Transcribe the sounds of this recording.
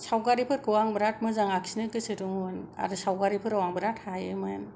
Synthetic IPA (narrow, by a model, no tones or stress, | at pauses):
sawɡaɾipʰɯɾkɯwaŋbɾat̚mɯzaŋaksinɯkɯsɯɾuŋɯna̰ɾɯsawɡaɾipʰɯɾawaŋbɾathajɯmajan